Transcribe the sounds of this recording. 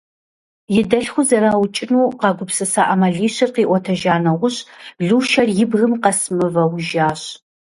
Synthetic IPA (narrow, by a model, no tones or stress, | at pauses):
jɪdɐɬxʷʊzɐɾaːwʊt͡ʃʼɪnuːqɑɡʷʊpsɨsaːʔɐmɐɮiːɕɪrqiːʔʷɔtʰɐʒaːnɐʁʷʊɕɮuːʃɐrjɪbɣɨmqɐsɨmɨvɐwʒaːɕ